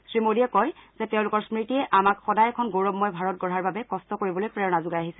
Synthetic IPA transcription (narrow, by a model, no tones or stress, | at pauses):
sɹimodijɛkɔjz̥ɛtɛʊ̃lʊkɔɹsmɹitijɛʔamakxɔdajɛkʰɔnɡoɹɔbmɔjbʱaɹɔt̚ɡɔɹaɹbabɛkɔstɔkoɹibɔlojpɹɛɹɔnazʊɡajaɦisɛ